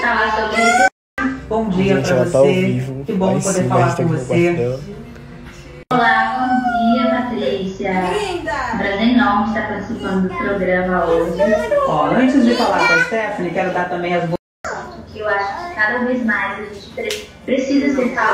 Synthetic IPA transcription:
talasobek | bõw̃d͡ʒiɐpɾɐvosekɪbõw̃owpod̪eɾfallaɾkõvose | olabõw̃d͡ʒiɐpat̪ɾisjɐ | pɾɐʒẽnɐ̃w̃ɪst̪apaɾt͡ʃɪ̥sipɐ̃nd̪ʊʊpɾoɡɾɐ̃mɐoʒɪɔɐ̃t͡ʃɪzd͡ʒɪfalaɾd̪ɐsɛɾfõnɪkɛɾʊd̪aɾt̪ɐ̃mbẽj̃ɐzbo | sõsʊkɪewaʃʊ̥kɪ̥kad̪ɐvejzmajzɐʒẽt͡ʃɪ̥pɾpɾesizɐseɾka

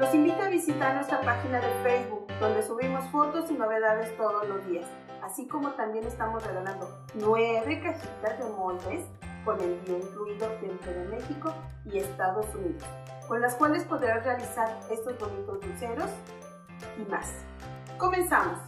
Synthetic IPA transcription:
lo̞simbit̪oaβisit̪aɾnwest̪ɾapaxinaðe̞fejzβuk̚d̪o̞nd̪e̞suβɾimo̞sfo̞t̪o̞sino̞βe̞ðaðest̪o̞ð̞o̞zlo̞zðias | asiko̞mo̞t̪ambje̞ne̞st̪amo̞zreɣaland̪o̞ | nweβe̞kasit̪aðemolt̪es | kone̞lbjeŋfluiðo̞senp̪ɾeðe̞me̞xiko̞ | ie̞st̪aðo̞suniðos | ko̞nlasfwe̞nt̪e̞spo̞ðɾarealisaɾe̞st̪o̞zβonut̪ozduse̞ɾo̞s | ima̰s | ko̞me̞nsamos

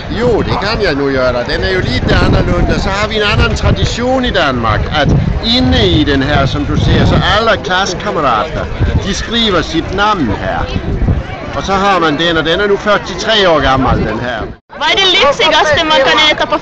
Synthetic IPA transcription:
jo̝̰ːd̥ekʰænjɑ̈ɪnujøɐɾɐd̥enæɐjo̝liːd̥enɐlɔnd̥əsɒ̽hɑ̈ʋienænɐnt͡sʰʁɑ̈d̥iɕo̝̰ːnid̥ænmɑ̈ɡ̥æd̥e̝nəid̥enɦæɐ̰sɒ̽md̥usḛːɐsɒ̽ʔæləkʰlæskʰɑməʁɑ̰̈ːd̥ɐd̥isɡ̥ʁḭːʋɐsid̥nɑ̈mʊ̰nhæɐ̰ | ɒ̽sɒ̽ɦɑ̈mænd̥enɒ̽d̥enæɐnufɶɐt͡sʰit͡sʰʁɛ̰ːɒ̰ːɡ̥ɑmɐld̥enɦæɐ̰ | ʋɑæd̥ele̥seɡ̥ɒsd̥emɑɡ̥ɑned̥ɐpʰ

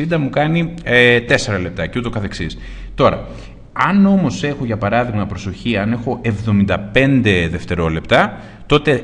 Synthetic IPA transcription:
id̪ɐmukɐniet̪e̞se̞ɾɐle̞p̚t̪ɐceut̪okɐθe̞ksis | t̪o̞ɾɐ̰ | ɐno̞mo̞se̞xo̞ʝɐpɐɾɐðiɣmɐpɾo̞so̞çiɐne̞xo̞ʔevðo̞mind̪ɐpe̞nd̪e̞ðe̞ft̪e̞ɾo̞le̞pt̪ɐ | t̪o̞t̪e̞

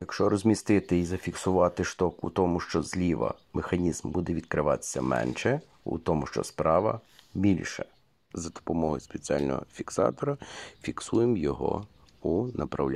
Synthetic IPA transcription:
jɐkʃt͡ʃɔɾɔzʲmʲist̪ɪt̪ɪizɐfʲiksʊʋɑt̪ɪʃt̪ɔkṵt̪ɔmʊʃt͡ʃɔzlʲiʋɐ̰mexɐnʲizmbud̪ɛʋʲid̪̚kɾɪʋɑt̪e̥sʲːɐmɛ̰nʃɛ | ṵt̪ɔmʊʃt͡ʃɔ̰spɾɑʋɐ̰bʲilʲʃɛ | zɐd̪̥ɔ̥pɔmɔɦɔ̰jʊspet͡sʲiɑlʲnɔ̰ɦɔ̰fʲiksɑ̰t̪ɔɾɐfʲiksujemjɔɦɔ̰ | unɐpɾɐ̰wlʲ

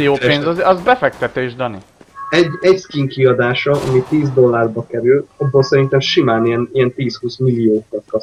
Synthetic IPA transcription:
ijoːeːnzzɒzbɛfɛk̚t̪ɛt̪eːʒd̪ɒnḭ | ɛɟːɛɟskiŋkiɒd̪aːʃɒʔɒ̰mit̪iːzd̪o̞lːarbɒkɛɾylɒbːoːlsɛɾint̪ɛmʃimaːnijɛnijɛnt̪iːshuːsmilːioːkɒt̪kɒs

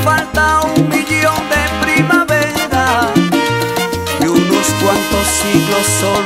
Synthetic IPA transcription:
falt̪aũmiʎõw̃d̪epɾimavɛɾa | eũnoskwɐ̃nt̪os | iɣloso

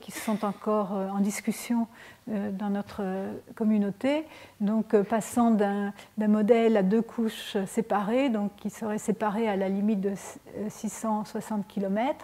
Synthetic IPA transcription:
kʲisɔ̃t̪ɑ̃kɔʁøɑ̃d̪iskʲysjɔ̃ | d̪ɑ̃nɔt̪χəkɔmynot̪ed̪ɔ̃kpasɑ̃d̪ɛ̃d̪ɛ̃mɔd̪ɛlad̪økʰuʃsepaʁed̪ɔ̃kːisəʁɛsepaʁealalimit̪̚d̪əsisɑ̃swasɑ̃t̪̚kʲilɔmɛt̪χ

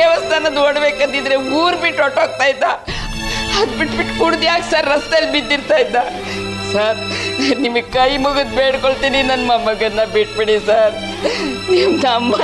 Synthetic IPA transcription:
ɐʋɐst̪ʰanɐd̪ʋɔɽʋekːɐd̪id̪ɾemuːɾpiʈɔʈok̚t̪ait̪ːa | ɐd̪piʈpiʈkuɽd̪ijaksaɾːɐst̪elbid̪iɾt̪ait̪ːa | saɾnimikɐimuɡut̪beʈʰkoɭt̪ininɐnmamɐɡɐd̪nabeʈ̚piɽisɐɾ | imd̪ama

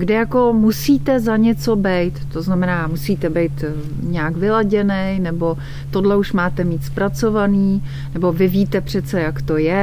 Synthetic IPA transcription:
ɡdɪjako̞musiːt̪ɛzaɲɛt͡so̞bɛjt̪ːoznamɛnaːmusiːt̪ɛbɛjt̪ | ɲɛjakvɪlaɟɛnɛjnɛbo̞ | t̪o̞dlɛuʃmaːt̪ɛmiːt̪spɾat͡so̞vaniː | nɛbo̞vɪviːt̪ɛpr̝̥ɛt͡sɛjakt̪ojɛ

